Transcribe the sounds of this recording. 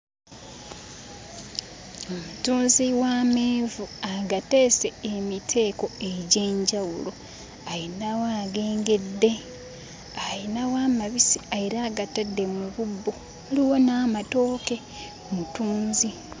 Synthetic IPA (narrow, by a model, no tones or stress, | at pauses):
omutuːnziwaːmeːvuaɡate̞ːse̞ːmitʰe̞ːko̞e̞ɟe̞ːɲɟawulo̞ | ajinawaːɡe̞ːŋɡe̞dːe̞ | ajinawaːmaβisiajiɾaːɡatadːe̞muβubːu | oliwo̞naːmato̞ːke̞ | omutuːnzi